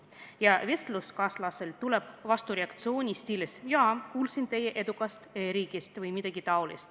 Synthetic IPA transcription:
jɑve̞st̪luskɑslɑselt̪uleb̥vɑst̪uɾeɑkt̪sio̞ːnʲist̪ʲilesjoɑkuːlsint̪e̞jeʔe̞d̪ukˑɑst̪ɾiːɡ̥ist̪vɯjmid̪̥ɑɡ̥it̪ɑwlḭst̪

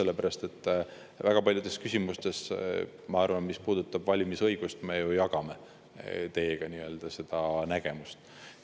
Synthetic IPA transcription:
e̞lːepæɾɑst̪e̞t̪ː | væɡ̥ɑpɑlʲjud̪̥e̞skysʲimust̪es | mɑɑrvɑnmispuːd̪̥ut̪ːˑɑb̥vɑlʲimisɤjɡ̥ust̪me̞jujɑɡ̥ɑme̞ | t̪e̞ːɡ̥ɑniø̞ːld̪̥ɑse̞d̪̥ɑnæɡ̥e̞must̪

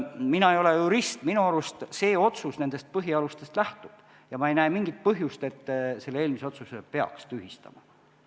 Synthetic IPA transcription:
minɑejo̞lejuɾist̪minuɑɾust̪se̞ːo̞t̪susne̞nd̪̥e̞st̪̚pɤɦiɑlust̪e̞st̪læht̪ub̥ | jɑmɑe̞jnæeːmiŋɡ̥it̪̚pɤɦjust̪e̞t̪ːse̞lːeeːlmiseo̞t̪susepe̞ɑ̰kst̪yhist̪ɑ̰mɑ

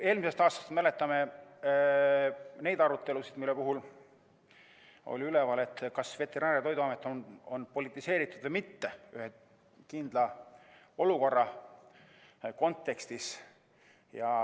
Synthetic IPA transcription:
e̞ːlmise̞st̪ɑːst̪ɑ̥st̪mæle̞t̪ːˑɑme̞ | ne̞jd̪ɑɾut̪ːe̞lusid̪̥milːe̞puɦul | o̞̰lʲiylevɑle̞t̪ːˑkɑsve̞t̪ːˑe̞ɾɑːɾjɑt̪o̞jd̪uɑmet̪ːˑono̞npo̞lit̪ːˑise̞ːɾit̪ːˑud̪̥vɤjmit̪ːe̞yhe | kind̪lɑ | o̞luko̞rːɑ | ko̞nt̪ːe̞kst̪is | jɑ

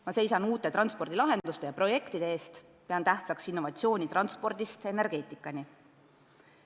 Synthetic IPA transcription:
mɑse̞jsɑnuːt̪ːˑe̞t̪ɾɑnspo̞rd̪̥ilɑɦe̞nd̪̥ust̪e̞jɑpro̞je̞kt̪id̪̥e̞eːst̪ | peɑnt̪æht̪sɑksinːo̞vɑt̪sio̞ːnʲit̪rɑnspo̞rd̪̥ist̪e̞ne̞rɡ̥e̞ːt̪ːˑikːˑɑnʲi

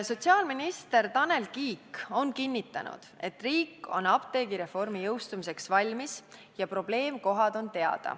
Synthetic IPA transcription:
so̞t̪ʲsiɑːlminist̪e̞rt̪ɑne̞lkiːko̞nkinʲːit̪ːˑɑ̰nṵd̪̥e̞t̪ːˑriːkːˑo̞̰nɑpt̪e̞ːɡiɾe̞fo̞rmijɤwst̪umis̬e̞ksvɑlʲmis | jɑpro̞b̥le̞ːmko̞ɦɑd̪o̞nt̪e̞ɑ̰d̪̥ɑ̰

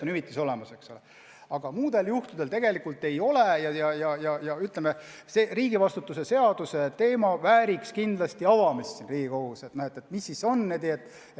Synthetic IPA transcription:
nymit̪ːˑiso̞le̞mɑse̞ksule | ɑɡ̥ɑmuːd̪̥e̞ljuht̪ud̪elt̪e̞ɡe̞likːˑult̪ːe̞jo̞lejɑjɑjɑjɑjɑyt̪lemeseriːɡivɑst̪ut̪ːˑuse̞se̞ɑd̪̥use̞t̪e̞ːmɑvæːɾikskind̪lɑst̪iɑvɑmissinriːɡ̥iko̞ɡuset̪nohe̞t̪ːˑet̪misːiso̞nːed̪iet̪ːˑ

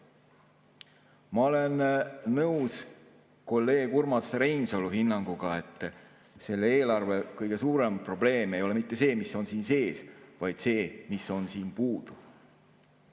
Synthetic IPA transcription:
mɑo̞le̞nːɤws | ko̞lːe̞ːɡ̥urmɑsɾe̞jnso̞luɦinːɑŋɡ̥uɡ̥ɑe̞t̪ːˑ | se̞lːeeːlɑrve̞kɤjɡ̥e̞suːɾe̞mpro̞ble̞ːme̞jo̞le̞mit̪ːe̞se̞ːmisːo̞nsiːnse̞ːsvɑjd̪̥se̞ːmiso̞nsiːnpuːd̪̥u

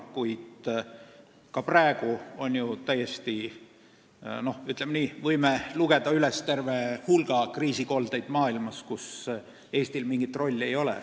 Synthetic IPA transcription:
kujd̪̥ | kɑpræeɡ̥uo̞njut̪æjest̪i | no̞yt̪lemniːvɤjmeluɡe̞d̪̥ɑylest̪e̞rvehulɡ̥ɑkriːsiko̞ld̪e̞jd̪mɑːilmɑskus | e̞ːst̪ilmiŋɡ̥it̪ːˑro̞lʲːe̞jo̞lḛ

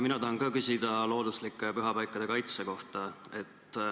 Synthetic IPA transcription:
minɑt̪ɑhɑnkɑːkysʲid̪̥ɑlo̞ːd̪uslikːˑepyɦɑpɑjkːˑɑd̪̥e̞kɑjt̪seko̞ht̪ɑe̞t̪ːˑ

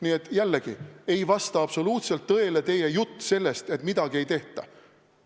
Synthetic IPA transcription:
niet̪ːˑjælːeɡ̥ie̞jvɑst̪ɑɑb̥so̞luːt̪se̞lt̪ːɤe̞let̪e̞jejut̪ːse̞lːest̪e̞t̪mid̪̥ɑɡ̥ie̞jt̪e̞ht̪ɑ̰

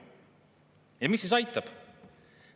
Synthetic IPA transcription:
jɑmisːis̬ɑjt̪ːˑɑb̥

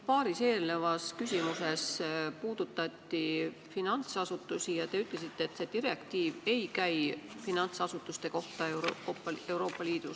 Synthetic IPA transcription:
pɑːɾise̞ːlne̞vɑskysʲimuse̞spuːd̪̥ut̪ːˑɑt̪ʲːi | finɑnt̪sɑsut̪ːˑusijɑt̪e̞yt̪ˑle̞s̬it̪ːˑeːt̪ːse̞d̪̥iɾe̞kt̪iːve̞jkæjfinɑnt̪sɑsut̪ːˑust̪e̞ko̞ht̪ɑee̞wɾo̞ːpːˑɑliːd̪̥us

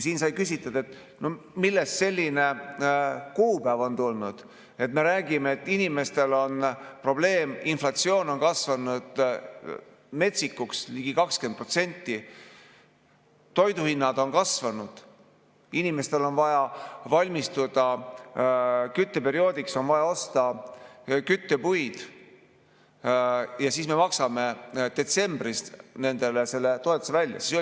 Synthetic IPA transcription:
jsiːnsɑjkysʲit̪ːˑɑd̪̥e̞t̪ | no̞milːe̞st̪se̞lʲːine̞ | kuːpæːvo̞nt̪ulnud̪̥ | e̞t̪me̞ɾæːɡ̥imeet̪ˑːinime̞st̪e̞lo̞npro̞ble̞ːminflɑt̪sio̞ːno̞nkɑsvɑnud̪̥ | me̞t̪sikːuksliːɡ̥ikɑkskend̪̚prot̪se̞nʲt̪ːi | t̪o̞jd̪uhinːɑd̪̥o̞nkɑsvɑnud̪̥ | inime̞st̪e̞lo̞nvɑjɑvɑlʲmist̪ud̪̥ɑ | kyt̪ːe̞pe̞ɾio̞ːd̪̥ikso̞nvɑjɑo̞st̪ɑ | kyt̪ːe̞pujd̪̥ | jɑsiːsme̞mɑksɑme̞d̪̥e̞t̪se̞mb̥risne̞nd̪̥e̞le̞se̞lːe̞t̪o̞e̞t̪ːˑu̥sevælʲːjɑ̰siso

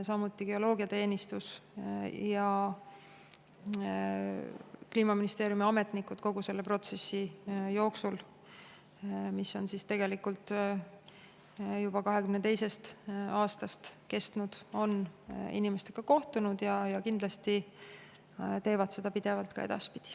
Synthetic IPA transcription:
sɑmut̪ːˑiɡ̥e̞o̞lo̞ːɡiɑt̪e̞ːnist̪us | jɑ | kliːmɑminist̪eːɾjumiɑme̞t̪nikːˑud̪̥ko̞ɡ̥use̞lːe̞pro̞t̪se̞sːijo̞ːksul | misːo̞nsist̪e̞ɡ̥e̞likult̪ˑ | jub̥ɑkɑɦe̞kymnet̪e̞jse̞st̪ɑːst̪ɑst̪ke̞st̪nud̪̥o̞nḭnime̞st̪e̞ɡ̥ɑko̞ht̪unud̪̥jɑjɑkind̪̥lɑst̪i | t̪e̞ːvɑd̪se̞d̪̥ɑpid̪̥e̞vɑlt̪kɑ̰e̞d̪̥ɑ̰spid̪̥i̥

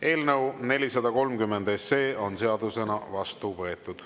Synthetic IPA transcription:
e̞ːlnɤwne̞lʲisɑd̪ɑko̞lmkymːe̞nd̪̥e̞se̞ːo̞nse̞ɑd̪use̞nɑvɑst̪uvɤ̞e̞t̪ːˑud̪̥

